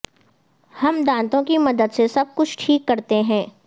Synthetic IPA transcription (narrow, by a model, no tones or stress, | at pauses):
hɐmd̪ãːnt̪õkimɐd̪əd̪sesɐb̚kʊt͡ʃʰʈʰiːkːɐɾt̪eɦɛ̃ː